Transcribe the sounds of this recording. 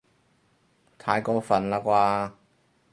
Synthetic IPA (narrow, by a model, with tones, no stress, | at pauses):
t̪ʰaː˨˧jkɔː˧fɐ˨˩nlaː˧kwaː˧